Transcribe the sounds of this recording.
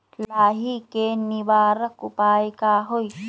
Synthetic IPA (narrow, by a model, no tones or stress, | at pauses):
laːɦikeːnibaːɾəkupaːjkaɦoj